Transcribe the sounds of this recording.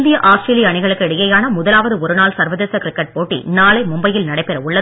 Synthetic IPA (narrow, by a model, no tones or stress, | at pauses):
d̪ɪjɐʔaːsʈɾeːlɪjɐɐɳɪɣɐɭɯkːɯɛɽɪjɐjaːnɐmʊðɐlaːʋɐðɯɔɾɯnaːlsɐɾʋɐðeːsɐkɾɪkːɐʈ̚poːʈːḭnaːlɐɪmʊmbɐjɪlnɐɽɐɪpːɛɾɐʊɭːɐ